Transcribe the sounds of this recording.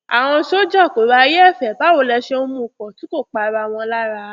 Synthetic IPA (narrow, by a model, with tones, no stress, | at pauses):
a̰˨w̃ɔ̃˧ʃo˦d͡ʒɔ˦˨ko˨ɾa˧je˦ɛ˦˨fɛ˨ba˨˦wo˨˦˨lɛ˧ʃe˧o˧mũ˧˨kɔ̃˨tĩ˨˦ko˦˨k͡pa˧ɾa˧˨w̃ɔ̃˧la˦ɾa˧˦